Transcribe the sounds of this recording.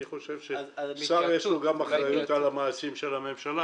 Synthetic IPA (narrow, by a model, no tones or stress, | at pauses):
niχo̞ʃevʃesaʁjeʃluɡamaχʁajut̪alamaːsimʃelame̞mʃala